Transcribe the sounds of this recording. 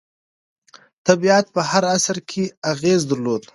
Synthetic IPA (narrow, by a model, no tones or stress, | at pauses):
t̪abiat̪̚pəhaɾasəɾkʰeaɣeːzd̪aɾloːd̪